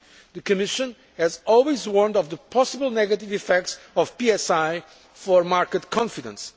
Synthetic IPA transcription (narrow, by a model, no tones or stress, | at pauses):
ðɨkɨmɪʃɨ̃n | ɛzɔlˠwizwɔɹnd̪ɔvðəpʰɔsəbəlˠnɛɡɐtivifɛk̚tsɔvpiɛsaj | fɔɹmaɹkət̪kʰɔ̃ɱfidə̃ns